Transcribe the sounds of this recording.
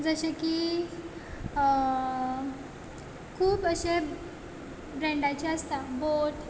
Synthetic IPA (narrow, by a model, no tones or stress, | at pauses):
d͡zəɕəki | kʰuːpəɕe | bɾẽɳɖat͡ɕaəst̪aboʈ